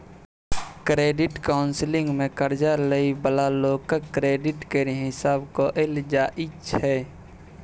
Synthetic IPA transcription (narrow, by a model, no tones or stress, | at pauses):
kɾeːɖɪʈkaːʊnslɪ̃ŋɡmẽkəɾd͡ʒaləibəlaloːkəkɾeːɖɪʈkeɾɦɪsaːbkoʔeld͡ʒaːʔɪt͡ʃɦɛː